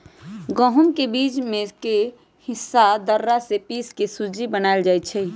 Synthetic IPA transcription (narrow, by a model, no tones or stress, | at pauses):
ɡəɦumkebiːd͡ʒmẽke | hɪsːad̪əɾːasepiːskesud͡ʒibənaɪld͡ʒaɪt̪̚t͡ʃʰɛ